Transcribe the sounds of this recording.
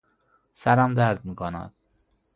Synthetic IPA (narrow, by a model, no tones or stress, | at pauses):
sæɾæmd̪æɾd̪̚miːkʰonæ̰d̪̥̚